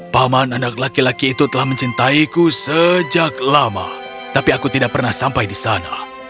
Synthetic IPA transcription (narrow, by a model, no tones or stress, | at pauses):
pamananak̚lakilakiːt̪ut̪əlahmə̃ɲt͡ʃint̪aikusəd͡ʒak̚lama̰ | t̪apiakut̪idaʔ̚pərnahsampajdisana̰